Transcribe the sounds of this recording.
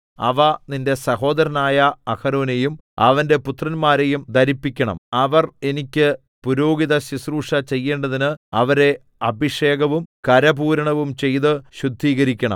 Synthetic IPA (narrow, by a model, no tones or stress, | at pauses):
ɐ̰ʋɐninde̞sɐɦo̞ːd̪ɐɾɐnaːjɐːkɐɾoːnejumɐ̰ʋɐndeput̪rɐnmaːɾejumd̪ʱɐɾipːikʲːɐɳɐ̰mɐʋɐre̞nikʲːɨ | puɾo̞ːɡiðɐɕisruːʂɐt͡ɕe̞jːeːɳɖɐðinɨɐʋɐɾe̞ | ɐbiʂeːɡɐʋumkɐɾɐbuːɾɐɳɐʋumt͡ɕe̞jðɨɕud̪ʱːiːɣɐɾikʲːɐɳɐ̰m